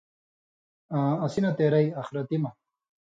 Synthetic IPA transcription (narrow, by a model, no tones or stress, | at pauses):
ãɐsinɐt̪eːɾɐjɐxɾɐt̪imɐ